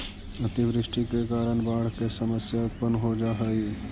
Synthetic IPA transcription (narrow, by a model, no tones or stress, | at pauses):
ɐt̪iʋɾɪʃʈikekaːɾəɳbaːɽ̤kesəməsjaət̪̚pənɦod͡ʒaːɦəi